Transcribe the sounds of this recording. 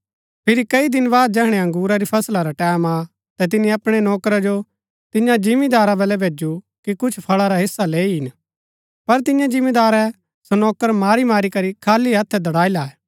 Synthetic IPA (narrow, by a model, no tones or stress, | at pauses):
pʰɪɾikɐid̪ɪnbaːd̪̚d͡ʒɛɦɽ̃ɛɐ̃ŋɡuːɾaɾipʰɐslaɾaʈɛːma | t̪ɛt̪̬ɪnĩɐpɽ̃enɔːkɾad͡ʒo | t̪ɪɲãd͡ʒɪmid̪aːɾabɛlɛbʱeːd͡ʒu | kikʊt͡ʃʰpʰɐɭaɾaɦɪsːaleːiɦɪn | pɐɾt̪ɪɲjãd͡ʒɪmẽd̪aːɾɛ | sonɔːkəɾmaːɾimaːɾikɐɾikʰaːliɦɐt̪ʰːɛd̪ɐɽaːilaːɛ